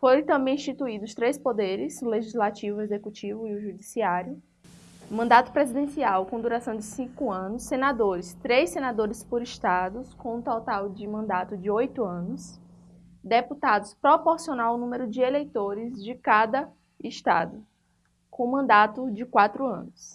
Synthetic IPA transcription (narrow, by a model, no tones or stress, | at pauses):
foɾẽt̪ɐ̃mbẽj̃ĩst͡ʃit̪uid̪ʊst̪ɾejspod̪eɾɪsleʒizlat͡ʃivʊezekut͡ʃivʊiʊʒud͡ʒisiaɾjʊ | mɐ̃nd̪at̪ʊ̥pɾezid̪ẽsiawkõd̪uɾasɐ̃w̃d͡ʒɪsĩkʊɐ̃nʊsːenad̪oɾɪst̪ɾejsenad̪oɾɪspoɾiʃt̪ad̪ʊskõũt̪ɔt̪awd͡ʒɪmɐ̃nd̪at̪ʊd͡ʒɪojt̪ʊɐ̃nʊs | d̪eput̪ad̪ʊspɾopoɾsionaʊnũmeɾʊd͡ʒɪelejt̪oɾɪzd͡ʒɪkad̪ɐ | ɪʃt̪a̰d̪ʊ | kõmɐ̃nd̪at̪ʊd͡ʒɪkwat̪ɾʊɐ̰̃nʊs